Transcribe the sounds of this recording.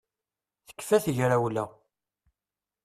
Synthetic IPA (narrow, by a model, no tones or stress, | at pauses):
θə̥kːfæθʝɾæwlæ